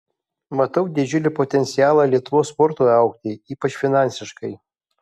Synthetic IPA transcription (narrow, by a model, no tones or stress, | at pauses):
mɐt̪ɐʊd̪ʲɪd͡ʒʲʊlʲɪpot̪ʲɛnʲt̪sʲɪjaːlˠɑlʲiɛt̪ʊʋoːspɔɾt̪oːɐʊk̚t̪ʲɪiːpɐt͡ʃʲfʲɪnɑnʲsʲɪʃkɐɪ